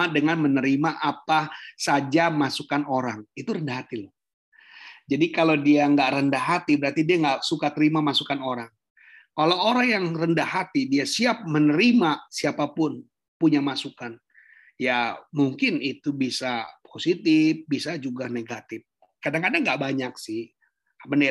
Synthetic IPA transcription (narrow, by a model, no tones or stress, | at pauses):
adəŋanmənəɾimaʔapasad͡ʒamasukanoɾaŋit̪uɾəndaɦat̪il | d͡ʒadikalawdiaŋɡaʔɾəndahɦat̪ibəɾart̪idiaŋɡaʔsukat̪əɾimamasukanoɾaŋ | alaoɾaŋjaŋrəndahhat̪idiasiap̚mənəɾimasiapapʊn | puɲamasukan | jamuŋkɪnit̪ubisapʰosit̪ɪfbisad͡ʒuɡaneɡat̪ɪf | kadaŋkadaŋːɡaʔbaɲaksɪh | məne